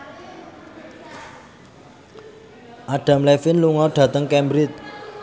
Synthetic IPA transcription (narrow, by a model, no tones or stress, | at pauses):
ʔaɖ̥a̤mlɛfɪnluŋɔɖ̥ä̤t̪əŋkɛmbɾɪt̪̚